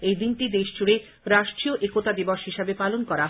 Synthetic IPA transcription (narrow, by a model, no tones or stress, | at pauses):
ejd̪inʈid̪eʃd͡ʑuɽe | ɾaʃʈɾioʔekot̪ad̪iboʃɦiʃebepalonkɔɾa